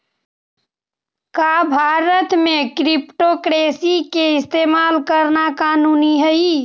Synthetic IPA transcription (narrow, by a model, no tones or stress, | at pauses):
kaːbʱaːɾət̪mẽkɾipʈokɾeːsikeɪst̪eːmaːlkəɾnakaːnuːniɦəi